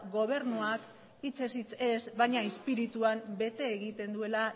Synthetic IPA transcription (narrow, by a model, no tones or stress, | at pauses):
ɣo̞β̞e̞ɾnuak | it͡se̞sit͡se̞sβajɲaespiɾit̪uambe̞t̪e̞ːɣit̪e̞nd̪ue̞la